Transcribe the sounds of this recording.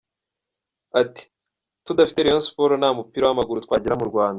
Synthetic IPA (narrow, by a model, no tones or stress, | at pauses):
ati̥ | tudafi̥te̞ɾejonsu̥po̞ɾonaːmupiɾawamaɡuɾutkwaːɟiɾamuɾɡwaːnda